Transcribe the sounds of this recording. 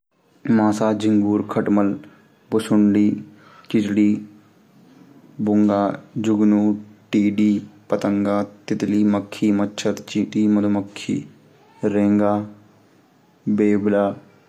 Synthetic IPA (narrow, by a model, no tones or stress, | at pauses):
mãːsaːd͡ʒɪŋɡuːɾkʰəʈməl | bʊsʊɳɖiː | t͡ʃɪt͡ʃɽiː | bʊŋɡaːd͡ʒʊɡnuːʈiːɖiːpət̪əŋɡaːt̪ɪt̪liːməkʰːiːməːt͡ʃʰʃʰəɾt͡ʃiːʈiːməd̪oməkʰːḭː | ɾẽːŋɡaː | beːblaː